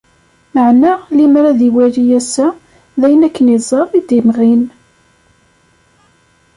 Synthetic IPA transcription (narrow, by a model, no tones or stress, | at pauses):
məʕnalimɾæðiwæɾijæsæ | ðæjənækːənizˤɑɾˤid̪imʁin